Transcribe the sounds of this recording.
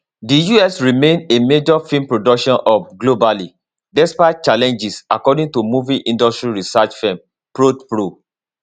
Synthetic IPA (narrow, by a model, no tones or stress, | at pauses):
dijuɛsɹimẽnemed͡ʒɔfĩmpɹodɔkʃɔ̃nʔɔfɡlobali | dɛspaɪt̚t͡ʃalɛ̃nd͡ʒisakɔdĩŋtumuviʔĩndɔstɹiɹisat͡ʃfɛ̃m | pɹotpɹo